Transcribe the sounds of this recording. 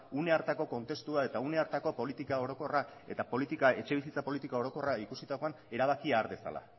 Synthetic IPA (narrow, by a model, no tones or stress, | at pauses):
une̞aɾt̪ako̞ko̞nt̪e̞st̪uae̞t̪aune̞aɾt̪ako̞po̞lit̪ikao̞ɾo̞ko̞ra | e̞̰t̪apo̞lit̪ikae̞t͡ʃe̞β̞isit͡sapo̞lit̪ikao̞ɾo̞ko̞raikusit̪ako̞an | e̞ɾaβ̞akiaːɾβe̞sa̰la̰